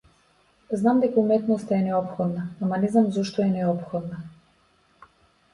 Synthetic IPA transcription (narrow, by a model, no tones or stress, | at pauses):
znamd̪ɛkaumɛt̪nɔst̪aɛnɛɔpxɔd̪naamanɛzamzɔʃt̪ɔɛnɛɔpxɔd̪na